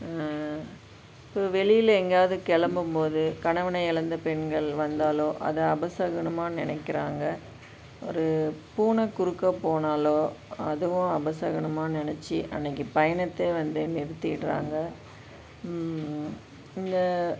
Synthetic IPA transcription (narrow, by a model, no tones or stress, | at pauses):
ɪpːoːʋɛɭɪjɪlɛŋɡaːʋðɯkɛɭɐmbɯmpoːðɯkɐɳɐʋɐnɐɪɪɭɐnd̪ɐpɛɳɡɐɭʋɐnd̪aːloːʔɐ̰ðɐɐbɐsɐɣɐɳɐmaːnɪnɐkːɪɾaːŋɡɐ | ɔ̰ɾɯpuːnɐkʊɾɯkːɐpoːnaːloːɐðɯʋʊ̃ɐbɐsɐɣɐɳɐmaːnɪnɛt͡ʃːiʔɐ̰nːɐkːɯpɐjɐnɐt̪ːeːʋɐnd̪ɯmɪɾɯt̪ːɯʈɾa̰ːŋɡɐ | ɪnd̪ɐ